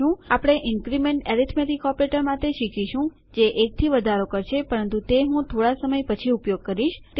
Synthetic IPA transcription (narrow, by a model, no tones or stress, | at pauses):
ũapɽ̃eʔɪŋkɾimeɳʈeɾit̪ʰmet̪ikɔpɾeʈəɾmat̪eʃikʰiʃũ | d͡ʒeʔek̚t̪ʰiʋəd̪ʱaɾokəɾʃʰepəɾənt̪ut̪eɦũt̪ʰoɽasəməjpət͡ʃʰiupjoɡ̚kəɾiʃt̪